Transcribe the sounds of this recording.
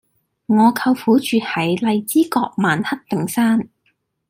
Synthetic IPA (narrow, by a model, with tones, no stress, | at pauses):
ŋɔː˨˧kʰɐ˧wfuː˨˥t͡ʃyː˨t̚hɐ˨˥jlɐ˨˧jt͡siː˥kɔː˧k̚maː˨nhɐ˥t̚t̪ɪ˨ŋsaː˥n